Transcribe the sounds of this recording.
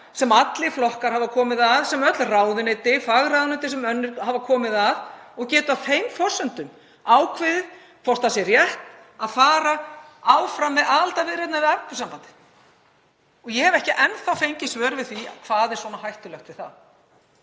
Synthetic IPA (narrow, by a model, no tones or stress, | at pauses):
sɛmat̪lɪflɔhkaɾ̥havakʰɔːmɪðaðsɛmœt̪lraːwðʏnɪːt̪ɪfaɣɾawðʏnɪt̪ɪsɛmœnːʏhavakʰɔːmɪðaðɔɣcɛːt̪ʏawfejmfɔ̥sʏnt̪ʏm | aːwkʰvɪðɪ | fɔr̥t̪θasɛrjɛht̪ | aðfaːɾaawfɾamːɛðaðalt̪avɪɾɛt̪navɪðaɾkʏ̥sampant̪ɪ̥ | ɔɣjɛhɛvɛhcɪʔɛnθafejɲcɪsvœːɾvɪðθia̰kʰvaːðɛɾ̥swɔːnahajht̪ʏlœxt̪vɪ̥θa̰ð